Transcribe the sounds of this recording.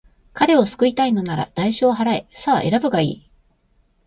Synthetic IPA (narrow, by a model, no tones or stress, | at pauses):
kaɾe̞o̞sɨ̥kɯ̟it̪aino̞naɾa̰d̪̥aiɕoːɦaɾaḛsaːʔe̞̰ɾabɯ̟ɡaḭː